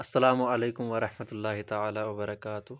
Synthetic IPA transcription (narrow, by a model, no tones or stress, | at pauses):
ʔɐsːɐlaːmʊʕɐleːkʊmwɐɾˤɑħmɐt̪ʊlːaːɦɪt̪aʕaːlaːwɐbɐɾˤɑkaːt̪ʊh